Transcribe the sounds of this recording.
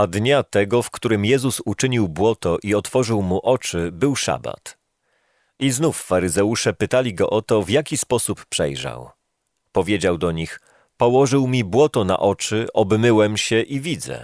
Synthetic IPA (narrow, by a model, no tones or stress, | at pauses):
ad̪ɲat̪ɛɡɔfkt̪uɾɘmjɛzusut͡ʂɘɲiwbwɔt̪ɔʔiɔt̪fɔʐɘwmuʔɔt͡ʂɘbɘwʂa̰ba̰t̪ | iznufːaɾɘzɛwuʂɛpɘt̪alʲiɡɔ̰ʔɔt̪ɔvjakʲispɔsupːʂɛ̰jʐa̰w | pɔvʲjed͡ʑawd̪ɔɲix | pɔwɔʐɘwmʲibwɔt̪ɔna̰ʔɔt͡ʂɘʔɔbmɘwɛmɕɛʔivʲid̪zɛ̰